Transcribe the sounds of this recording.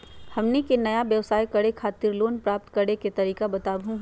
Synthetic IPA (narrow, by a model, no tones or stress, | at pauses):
hɐmnikenɐjabjɐʋsaːjkɐɽekʰaːt̪iɾloːnpɾaːp̚t̪kɐɾɽeket̪ɐɾiːkabɐt̪aːbʱũɦ